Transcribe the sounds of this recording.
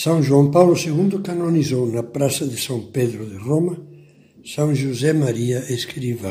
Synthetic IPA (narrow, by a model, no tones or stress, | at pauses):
sãŋʒwãŋpawlʊseɣund̪ʊkanonizownapɾasɐðɪsãŋpeðɾʊðɪromɐ | sãŋʒuzɛmaɾiaʔeskɾiva